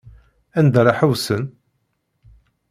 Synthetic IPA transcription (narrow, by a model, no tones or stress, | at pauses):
ænd̪ɾˤɑħəwsən